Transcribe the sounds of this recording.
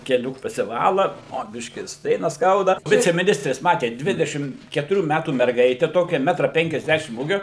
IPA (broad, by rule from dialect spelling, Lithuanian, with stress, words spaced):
kʲɛˈlʲuː pɐsʲɪˈʋɑːlˠɐ oː ˈbʲɪʃʲkʲiː ɪr ˈsʲtʲrʲeːnɐs ˈskɐʊdɐ ˌʋʲɪt͡sʲɛmʲɪˈnʲɪsʲtʲrʲeːs ˈmɑːtʲeːt ˈdʲʋʲɪdʲɛʃʲɪm kʲɛtʊˈrʲuː ˈmʲætuː mʲɛrˈɡɐɪtʲɛ ˈtoːkʲɛ ˈmʲæːtrɐ pʲɛŋʲkʲɛzʲˈdʲæʃʲɪm ˈuːɡʲoː